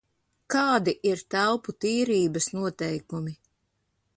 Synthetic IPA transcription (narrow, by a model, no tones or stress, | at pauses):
kɑːd̪iʔiɾt̪awput̪iːɾiːbɐsnuɔt̪ɛjkumi